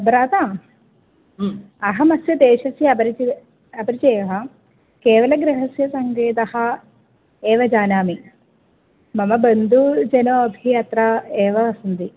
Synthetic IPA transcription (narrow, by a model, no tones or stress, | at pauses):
ɐbɾaːt̪aː | ɐɦɐmɐsjɐd̪eːʃɐsjɐɐbɐɾit͡ʃi | ɐpɐɾit͡ʃeːɦɐ | keːʋɐlɐɡɾeɦɐsjɐsɐŋɡeːt̪ɐhɐ̆ | eːʋɐd͡ʒaːnaːmi | mɐmɐbɐnd̪ʱud͡ʒɐnoːɐbʱijaːt̪ɾɐeːʋɐɐsɐnd̪i